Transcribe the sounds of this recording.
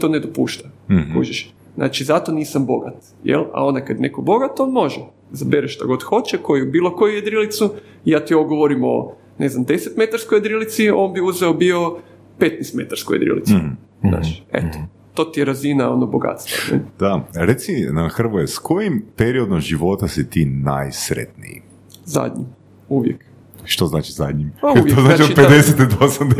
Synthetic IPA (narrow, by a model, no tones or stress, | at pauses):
t̪o̞ːned̪opṵːʃt̪aṵd͡ʒiʃ | znʔa̰ːt͡ʃizat̪o̞niːsambo̞ɡa̰t̪ | jḛla̰o̞nd̪akad̪jnekobo̞ɡat̪o̞nmo̞ʒe | zabeɾeʃʃt̪a̰ɡo̞d̪xo̞t͡ɕeko̞jubiːlˠo̞ko̞jujed̪ɾilit̪su | jaːt̪ioɡoʋoɾimo̞̰ | ne̞znamd̪eset̪me̞t̪aɾskojed̪ɾilit̪sio̞ːnbiuzeobio̞ | pet̪nɛst̪me̞t̪aɾskojed̪ɾḭlḭt̪su | za̰ːt͡ʃḛt̪o̥ | t̪o̞t̪ijeɾazinao̞noboɡa̰t̪st̪ʋa̰nḛd̪̥aɾet̪sinaxr̩ʋojeskʰojimpeɾiod̪omʒiʋo̞t̪asit̪inajsɾḛt̪nḭjḭ | za̰d̪ɲḭm | uʋjek | ʃt̪oznaːt͡ʃizad̪ɲimpauʋjeoznaːat͡ʃioped̪eset̪id̪osamd̪e